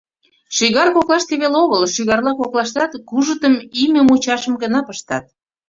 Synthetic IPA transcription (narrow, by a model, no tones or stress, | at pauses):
ʃiɣɑrkoklɑʃt̪eβeloɣəlʃyɣɑrlɑkoklɑʃt̪ɑt̪kuʒət̪əmimĕmut͡ɕɑʃəmɡənɑpəʃt̪ɑt̪̚